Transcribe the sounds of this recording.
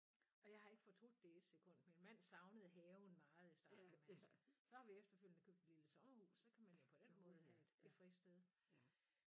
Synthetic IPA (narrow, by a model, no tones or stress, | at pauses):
ɒ̽jɑ̈ɪɦɑ̈e̝ɡ̥fɒ̽t͡sʰo̝̥d̥eed̥sekʰɔ̽n̰d̥minmæn̰sɑ̈ʊnəð̞̩ˠɦɛːʊn̩mɑ̈ːð̞̩ˠisd̥ɑ̥̈ːemæssɒ̽hɑ̈ʋiefd̥ɐføljənəkʰøb̥̚d̥eliləsɒ̽mɐhṵːssɒ̽kʰæmænjo̝pʰɒ̽d̥enmɔ̽ːð̞̩ˠɦæe̝d̥be̝fʁisd̥eð̞ˠ